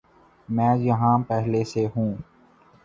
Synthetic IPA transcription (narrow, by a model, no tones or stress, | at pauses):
mɛ̃ːjɐɦãpɛɦleseɦũː